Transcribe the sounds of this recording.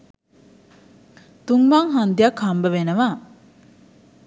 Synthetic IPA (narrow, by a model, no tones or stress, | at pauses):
t̪uŋʋaŋɦand̪ijakʰhambəʋenəʋa